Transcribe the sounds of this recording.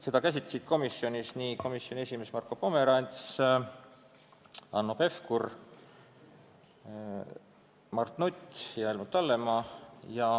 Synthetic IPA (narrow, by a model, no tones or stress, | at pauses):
se̞d̪ɑkæs̬ʲit̪lɑ̥sid̪̥̚ko̞misːjo̞nʲisniko̞misjo̞nʲie̞sʲime̞smɑrkːopome̞ɾɑnʲt̪s | ɑnːope̞fkur | mɑrt̪nut̪ʲːjɑelmut̪ːɑlːe̞mɑjɑ